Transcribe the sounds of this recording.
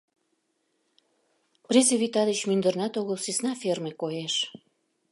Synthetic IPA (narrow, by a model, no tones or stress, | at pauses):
prʲezeβʲit̪ɑd̪ət͡ɕmynd̪ərnɑt̪oɣəlsisnɑfermekojeʃ